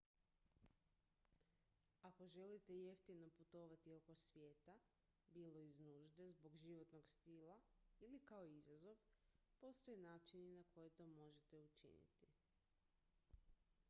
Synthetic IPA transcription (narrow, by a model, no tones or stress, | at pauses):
ako̞ʒe̞lit̪e̞je̞ft̪ino̞put̪o̞ʋat̪io̞ko̞sʋje̞ːt̪a | biːlˠo̞iznuːʒd̪e̞zbo̞ɡʒiʋo̞t̪no̞ɡst̪ilˠailikao̞izazo̞ʋpo̞st̪o̞jenaːt͡ʃininakʰo̞jet̪o̞ːmo̞ʒe̞t̪e̞ut͡ʃḭnḭt̪i